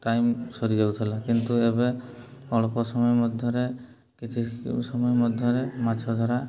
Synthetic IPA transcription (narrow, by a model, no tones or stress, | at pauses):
ʈajmsɔɾid͡ʒabut̪ʰilakint̪ueβeɔɭɔpɔsɔmɔjɔmɔd̪ʱjɔɾe | kit͡ʃʰisɔmɔjɔmɔd̪ʱjɔɾemat͡ʃʰɔd̪ʱɔɾa